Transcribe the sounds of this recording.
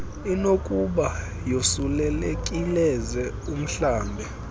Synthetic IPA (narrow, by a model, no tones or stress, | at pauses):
inokʼuɓa | josulɛlekʼilɛzɛ | um̩ɬaːmbʱɛ